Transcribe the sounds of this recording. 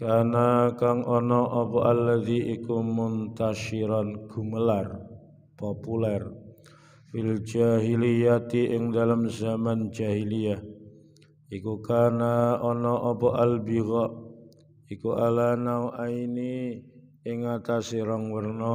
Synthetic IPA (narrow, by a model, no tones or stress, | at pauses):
kanakaŋʔɔnɔʔɔpɔʔalːaðiikumʊnt̪aʃiɾanɡ̥uməlar | populɛr | fild͡ʒaɦilijat̪iʔɪŋdalamzamand͡ʒaɦiliah | ikukanaɔnɔʔɔpɔʔalbiɣɔʔ | ikualanawʔaini | ɪŋat̪asiɾaŋwərnɔ